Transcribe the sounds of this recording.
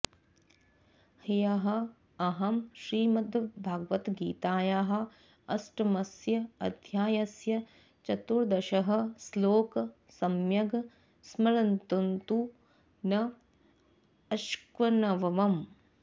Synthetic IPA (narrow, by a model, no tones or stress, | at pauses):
hijɐɦɐ̆ | ɐɦɐmʃɾiːmɐd̪ɐbʱaːɡʋɐt̪ɡiːt̪aːjaːɦɐ̆ | ɐsʈɐmɐsjɐɐ̰d̪ʱjaːjɐsjɐ | t͡ʃɐt̪uɾd̪ɐʃɐɦɐ̆sloːkɐ | sɐmjɐɡ | smɐɾɐnt̪unt̪u | nɐ | ɐʃkʋɐnɐʋɐʋɐm